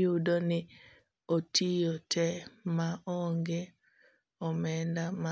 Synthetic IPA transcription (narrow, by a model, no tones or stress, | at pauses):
udonɪ | otʰijotʰɛmaʔɔŋɡe | ɔmɛndama